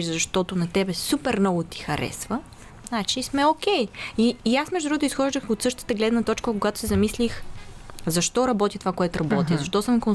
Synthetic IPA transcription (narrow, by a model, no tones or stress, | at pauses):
zɐʃt̪ɔt̪ʊnɐt̪ɛbɛsupɛɾnɔɡʊt̪i̥xɐɾɛ̰svə | znat͡ʃismɛok̟ʲɛjiːasmɛʒd̪udɾuɡot̪ʊisxɔʒd̪əxot̪sɤʃt̪ə̥t̪əɡlɛd̪nət̪ɔt͡ʃkəkoɡat̪ʊ̥sɛzɐmislix | zɐʃt̪ɔɾɐbɔt̪ʲit̪ovakoɛt̪ʊɾɐbɔt̪izɐʃt̪ɔsəmkon